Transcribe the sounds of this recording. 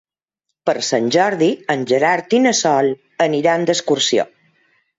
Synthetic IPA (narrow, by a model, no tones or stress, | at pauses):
pəɾsanʲʒɔɾðiənʲd͡ʒəɾaɾt̪inəsɔl | əniɾaənd̪əskuɾsio̰